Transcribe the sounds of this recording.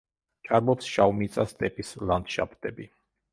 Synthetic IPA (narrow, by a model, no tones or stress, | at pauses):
t͡ʃʼaɾbɔpsʃavwmit̪sʼast̪ʼɛpʼisland̪ʃa̰pt̪ʼɛbi